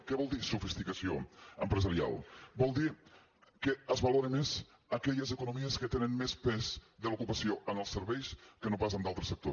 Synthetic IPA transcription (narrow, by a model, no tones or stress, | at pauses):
kɛβɔlˠd̪isufist̪ikəsio̰əmpɾəzəɾia̰lˠbɔlˠd̪i | kəəzβəloɾemez | əkɛʎəzəkunumiəskət̪enənmespɛzðəlukupəsioʔənəlˠsəɾβɛjskənopasəmd̪alˠt̪ɾəsək̚t̪o